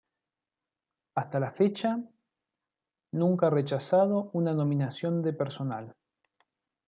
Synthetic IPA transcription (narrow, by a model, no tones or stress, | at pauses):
ast̪alafet͡ʃa | nũŋkaaret͡ʃasaðo̞unano̞mĩnasjo̞nd̪epeɾso̞na̰l